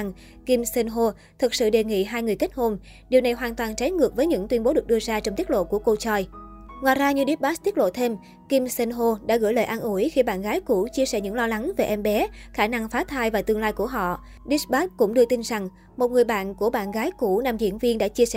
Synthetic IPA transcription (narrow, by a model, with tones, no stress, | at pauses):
ŋ | ki˧msə˧nɦo˧ | t̪ʰɨ˨˩k̚sɨ̰˧˨ɗe˨˩ŋḭ˧˨ɦaː˧jŋɨ˨˩əjkə˦˥t̚ho˧m | ɗi˨˩əwna˨˩jɦwaː˨˩nt̪waː˨˩nt͡ɕa˨˦jŋɨ˨˩ək̚vəː˨˦jɲɨ̰˧˥ŋt̪wi˧nmɓo˨˦ɗɨ˨˩ək̚ɗɨ˧əzaː˧t͡ɕɔ˧wŋ͡mt̪i˦˥t̚lo̰˧˨ku˧˩əko˧t͡ɕɔː˧jŋwaː˨˩jzaː˧ɲɨ˧ɗi˦˥t̚ɓaː˦˥t̪i˦˥t̚lo̰˧˨t̪ʰe˧m | ki˧msə˧nɦo˧ɗa̰ː˧˥ɣɨ̰˧˥˩jləː˨˩jʔaː˧nʔu˧˩əjxi˧ɓa̰ː˧˨nɣaː˨˦jku˧˩t͡ɕi˧əsɛ˧˩ɲɨ̰˧˥ŋlɔ˧la˨˦ŋve˨˩ʔɛ˧mɓɛ˨˦xaː˧˩na˧ŋfaː˨˦t̪ʰaː˧jvaː˨˩t̪ɨ˧əŋlaː˧jku˧˩əɦɔ̰˧˨ | ɗi˦˥sɓaː˦˥kʊ̰˧˥ŋ͡mɗɨ˧ət̪i˧nza˨˩ŋ | mo˨˩t̚ŋɨ˨˩əjɓa̰ː˧˨nku˧˩əɓa̰ː˧˨nɣaː˨˦jku˧˩na˧mzḭ˧˥ənvi˧ənɗa̰ː˧˥t͡ɕi˧sɛ˧˨